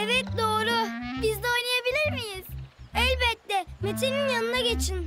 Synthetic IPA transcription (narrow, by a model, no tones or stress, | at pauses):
evɛt̪̚d̪oːɾʊbizd̪ɛojnajabilʲiɾmijiz̥ɛlʲbɛt̪ːɛmet̪ʰininjanɯnaɟe̞t͡ʃʰin